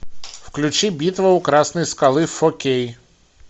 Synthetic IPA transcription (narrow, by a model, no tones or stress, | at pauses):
wklʲut͡ʃibʲit̪ʋɐwkɾasnɐjskalˠɪfɔkʲej